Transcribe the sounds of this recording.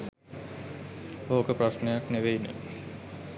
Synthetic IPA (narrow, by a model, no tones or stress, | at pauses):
okəpraʃnejakneʋeinə̰